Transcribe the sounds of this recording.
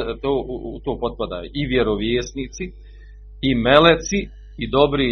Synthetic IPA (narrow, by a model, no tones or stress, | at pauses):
t̪oːut̪oːpo̞t̪̚pad̪a̰ːjiʋjeɾoʋjeːsniːt̪si | imelet̪si | id̪o̞bɾiː